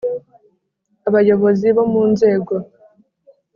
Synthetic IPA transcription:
aβajo̞βo̞ziβo̞muːnze̞ːɡo̞

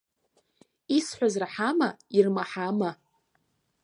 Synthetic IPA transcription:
isħʷazraħamairmaħama

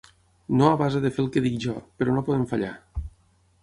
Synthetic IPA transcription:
noaβazaðefelˠkeðikʒɔpeɾɔnopoðemfaʎa̰

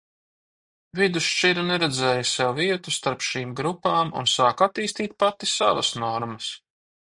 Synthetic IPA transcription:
vid̪uʃt͡ʃiɾanɛɾɛd̪zɛːjusɛwviɛt̪ust̪aɾpʃiːmɡɾupaːmṵnsaːkat̪iːst̪iːt̪̚pat̪isa̰vɐsnɔɾmɐs

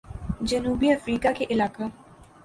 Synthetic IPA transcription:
d͡ʒənuːbiəfɾiːkakeʔɪlaːka

